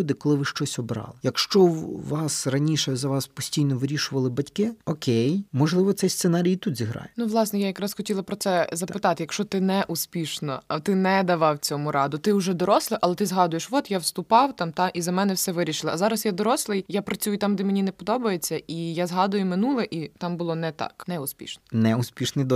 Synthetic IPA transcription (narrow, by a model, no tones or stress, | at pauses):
ud̪ɪkɔlˠɪʋɪʃt͡ʃɔsʲɔbɾɑ̰lˠɪjɐkʃt͡ʃɔʋɑsrɐnʲiʃɛzɐʋɑspɔsʲtʲijnɔʋɪɾʲiʃʊʋɐlˠɪbɐtʲkɪɔkʲʰejmɔʒlˠɪʋɔt̪sɛjst̪senɑɾʲijit̪ut̪zʲiɦɾɑ̰jɛnuʋlˠɑsnɛjajɐkɾɑsxɔtʲilˠɐpɾɔtsɛzɐpɪt̪ɑt̪ɪjɐkʃt͡ʃɔt̪ɪnɛʔuspʲiʃnɔt̪ɪnɛd̪ɐʋɑwt͡sʲɔmʊɾɑd̪ʊt̪ɪʊʒɛd̪ɔɾɔslˠɪʔɐlˠɛt̪ɪzɦɑd̪ʊjeʃʋɔt̪jawst̪ʊpɑwt̪ɑmt̪ɑizɐmɛnɛwsɛʋɪɾʲiʃɪlˠɪʔɐzɑɾɐsjad̪ɔɾɔslˠɪjjapɾɐt͡sʲujʊt̪ɑmd̪ɛmenʲinɛpɔd̪ɔbɐjet͡sʲːɐʔijazɦɑd̪ʊjʊmɪnulˠɛʔit̪ɑmbʊlˠɔnɛt̪ɑ̰knɛʊsʲpʲḭʃnɔnɛusʲpʲiʃnɪjd̪ɔ